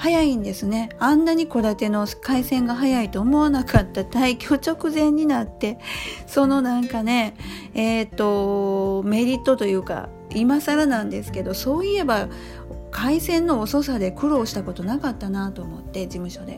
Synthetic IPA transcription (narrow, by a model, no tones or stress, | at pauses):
hajaĩnd̪e̞sɨne̞ãnːaɲ̟iko̞d̪at̪e̞no̞kaisẽ̞ŋɡaɦajait̪o̞ːmo̞βanakʰat̪ːat̪aikʲo̞ːt͡ɕo̞kɯ̟zẽ̞ɲ̟ːinat̪ːe̞so̞no̞nãŋkane̞ | et̪ːo̞ | me̞ɾʲit̪ːo̞t̪o̞jɯ̟ːka̰ | imasaɾanãnd̪e̞sɨ̥ke̞d̪o̞so̞ːie̞ba | kʰaisẽ̞nːo̞ːso̞sad̪e̞kɯ̟ɾo̞ːɕi̥t̪ako̞t̪o̞nakat̪ːanat̪o̞ːmo̞t̪ːe̞d͡ʑimɯ̟ɕo̞d̪e̞̰